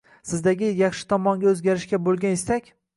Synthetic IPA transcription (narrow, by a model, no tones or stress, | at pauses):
sɪzd̪aɡʲɪjɑχʃɪ̥t̪ʰɒmɒŋɡʲaɵzɡʲaɾɪʃkʲabolˠɡʲanest̪akʲ